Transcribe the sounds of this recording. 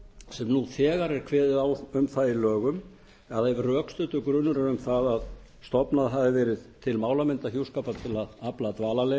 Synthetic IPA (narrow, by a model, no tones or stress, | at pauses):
sɛmnuθɛːɣaɾɛɾ̥kʰvɛːðɪðawʏmθaðɪlœːɣʏm | aðaɛvrœːkst̪ʏːt̪ʏkɾʏnːʏɾaɾʏmθaðað | st̪ɔpnaðɦavðɪvɛːɾɪðt̪ʰɪlmaːwlamɪnt̪ahçjuwskaːpat̪ʰɪlaðaplat̪vaːlale